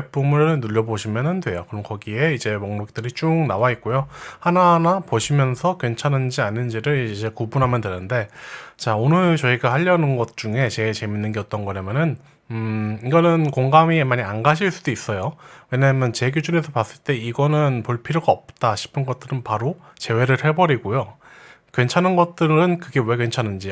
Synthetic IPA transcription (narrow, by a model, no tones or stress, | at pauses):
ep͈umɯɭnuʎːʌboɕʰimjʌnɯndwe̞jokɯɾʌmkʌɡie̞id͡ʑe̞moŋnok̚t͈ɯɾit͡ɕ͈uŋnawait̚k͈ujohananapoɕʰimjʌnsʰʌkwe̞nt͡ɕʰanɯnd͡ʑianːɯnd͡ʑiɾɯɭid͡ʑe̞kubunɦamjʌndwenɯnde̞t͡ɕaonɯɭt͡ɕʌiɡahaʎːʌnɯnɡʌt̚t͡ɕ͈uŋe̞t͡ɕe̞ɡt͡ɕe̞minːɯnɡeʌt͈ʌnɡʌɾamjʌnɯn | iɡʌnɯnkoŋɡamimaɲianɡaɕʰiɭs͈uduis͈ʌjowe̞ɲamjʌnt͡ɕe̞ɡud͡ʑune̞sʰʌpas͈ɯɭt͈e̞iɡʌnɯnpoɭpʰiɾjoɡaʌp̚t͈aɕʰi̥pʰɯnɡʌt̚t͈ɯɾɯnpaɾo | t͡ɕe̞we̞ɾɯɭhe̞bʌɾiɡojo | kwe̞nt͡ɕʰanɯnɡʌt̚t͈ɯɾɯnkɯɡe̞we̞kwent͡ɕʰanɯnd͡ʑi